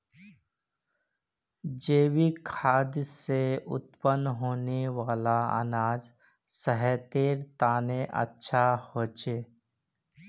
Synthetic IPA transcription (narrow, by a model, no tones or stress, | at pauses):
d͡ʒeːwikʰaːd̪jseʊ̰t̪pənɦoːneʋaːlaə̰naːd͡ʒ | səɦɛt̪eːɾt̪aːneʔə̰tːʃʰahoːt͡ʃeː